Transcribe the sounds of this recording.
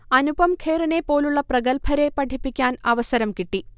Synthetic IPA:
ɐnubɐmkʰeːɾɐnepːo̞ːluɭːɐprɐɡɐlpʰɐɾe̞pɐʈʰipːikʲːaːnɐʋɐsɐɾɐmkiʈːi

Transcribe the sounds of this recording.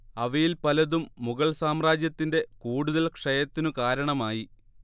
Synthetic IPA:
ɐʋɐjilpɐlɐðumːuɣɐɭsaːmraːd͡ʑjɐt̪ːinde̞kuːɽuðɐlkʂɐjɐt̪ːinukaːɾɐɳɐmaːji

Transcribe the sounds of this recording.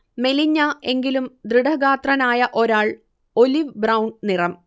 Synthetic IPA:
me̞liɲːɐe̞ŋɡilumd̪riɽɐɣaːt̪rɐnaːjɐʔo̞ɾaːɭ | o̞liʋbrɐwɳɖnirɐm

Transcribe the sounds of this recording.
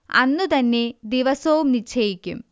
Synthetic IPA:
ɐ̰nːut̪ɐnːe̞d̪iʋɐsɐʋumnit͡ɕʰɐjikʲːum

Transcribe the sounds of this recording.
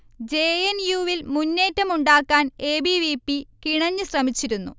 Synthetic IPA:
d͡ʑeːenjuːʋilmunːe̞ːtːɐmuɳɖaːkːaːne̞ːbiʋipːikiɳɐɲːɨsrɐmit͡ɕːiɾunːṵ

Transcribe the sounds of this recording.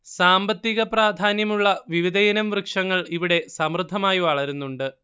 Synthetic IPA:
saːmbɐt̪ːiɣɐpraːd̪ʱaːnjɐmuɭːɐʋiʋid̪ɐjɐnɐmʋrɨkʂɐŋːɐɭiʋiɽe̞sɐmrɨd̪ʱːɐmaːjiʋɐɭɐɾunːuɳɖɨ

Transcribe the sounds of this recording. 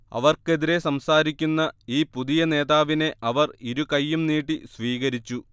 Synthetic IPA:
ɐ̰ʋɐrke̞ðiɾe̞sɐmsaːɾikʲːunːɐiːpuðijɐne̞ːðaːʋine̞ʔɐʋɐriɾukɐjːumniːʈ̬ːisʋiːɣɐɾit͡ɕːu

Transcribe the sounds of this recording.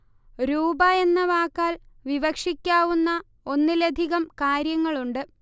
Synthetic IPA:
ɾuːbɐe̞nːɐʋaːkːaːlʋiʋɐkʂikʲːaːʋunːɐ | o̞nːilɐd̪ʱiɣɐmkaːɾjɐŋːɐɭuɳɖɨ

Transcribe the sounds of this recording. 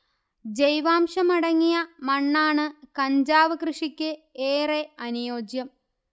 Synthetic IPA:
d͡ʑejʋaːmʂɐmɐɽɐŋːijɐmɐɳːaːɳɨkɐɲd͡ʑaːʋɐkrɨʂikʲːɨeːreɐnujoːd͡ʑjɐm

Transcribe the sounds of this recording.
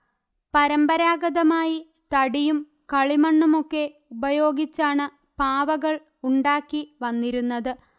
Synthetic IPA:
pɐɾɐmbɐɾaːɡɐðɐmaːji | t̪ɐɽijum | kɐɭimɐɳːumo̞kːe̞ | ubɐjo̞ːɡit͡ɕːaːɳɨ | paːʋɐɣɐɭ | uɳɖaːkːiʋɐnːiɾunːɐðɨ

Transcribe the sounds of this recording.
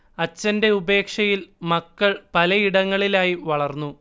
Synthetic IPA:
ɐt͡ɕːɐnde̞ube̞ːkʂɐjilmɐkːɐɭpɐlɐiɽɐŋːɐɭilaːjiʋɐɭɐrnːu

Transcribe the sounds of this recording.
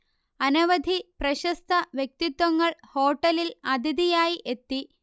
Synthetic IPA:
ɐnɐʋɐd̪ʱiprɐɕɐst̪ʰɐʋjek̚t̪it̪wɐŋːɐɭho̞ːʈːɐlilɐd̪ʱiðijaːjiʔet̪ːi

